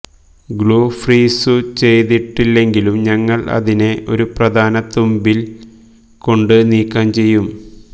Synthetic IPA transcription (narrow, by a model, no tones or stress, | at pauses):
ɡɭoːfriːsut͡ɕe̞jðiʈːilːe̞ŋɡilumɲɐŋːɐɭɐ̰ðine̞ʔo̞̰ɾuprɐd̪ʱaːnɐt̪ːumbil | ko̞ɳɖɨniːkːaːmt͡ɕe̞jːum